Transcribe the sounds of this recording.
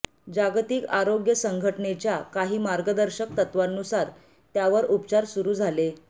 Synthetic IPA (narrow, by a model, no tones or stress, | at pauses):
d͡ʑaɡt̪iːkaɾoɡjəsəŋɡʱəʈɳet͡ɕjakaɦiːmaɾɡəd̪əɾɕək̚t̪ət̪ʋanːusaɾ | t̪jaʋəɾupt͡ɕaɾsuɾuːd͡zʱale